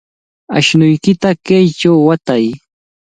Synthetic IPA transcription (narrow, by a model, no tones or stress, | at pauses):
a̰ʃnʊjkɪt̪akejt͡ʃawːat̪aj